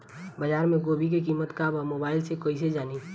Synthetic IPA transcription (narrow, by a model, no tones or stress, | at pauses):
bəd͡ʒaːɾmẽɡoːbʱik̬ekiːmət̪kaːbamoːbaːɪlsekoːised͡ʒaːniː